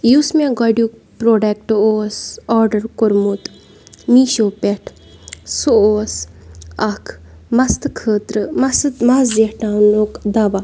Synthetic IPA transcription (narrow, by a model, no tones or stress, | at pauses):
juːsmẽɡɔɖju | pɾoːɖek̚ʈoːsɔːɾɖɐɾkuɾmut̪ | miʃoːpeʈʰ | suoːsɐkʰmɐst̪ɨkʰəːt̪ɾɨmɐsmɐszehʈaːnokd̪ɐba